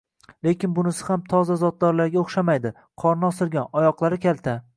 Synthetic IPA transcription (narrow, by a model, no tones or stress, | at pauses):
le̞kʲɪnbʊnɪsɪhamt̪ʰɒzazɒt̪̚d̪ɒɾlaɾɡʲaoχʃamajd̪ɪ | qʰɒɾnɒsɪɾɡʲanɒjɒqlˠaɾɪkʲʰalt̪ʰa